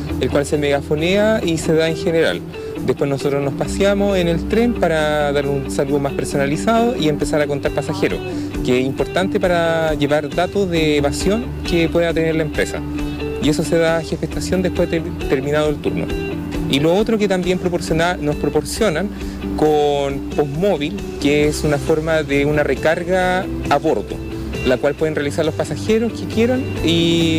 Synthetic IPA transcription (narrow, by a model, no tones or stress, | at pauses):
elkwalsemeɣafo̞neaiseðaeŋxeneɾa̰l | d̪ehpweznoso̞t̪ɾoznospasjamosenelt̪ɾe̞mpaɾaðaɾunsaluomaspeɾso̞nalisaðoʔiempe̞saɾako̞nt̪aɾpasaxeɾo̰ | keesimpo̞ɾt̪ant̪epaɾaʝeβaɾðat̪ozðeːβasjo̞ŋ | kepwe̞ðat̪eneɾlaempɾesa̰ | ie̞so̞seðaxefeht̪asjo̞nd̪ehpweð | t̪eɾminaðoelt̪ṵɾno̰ | iloot̪ɾoket̪ambjempɾopsoanospɾopoɾsjo̞nan | konpo̞zmo̞βil | keesunafo̞ɾmaðeunarekaɾɣaː | βo̞ɾto̰ | lakwalpwe̞ð̞enrealisaɾlospasaxeɾo̞skekje̞ɾani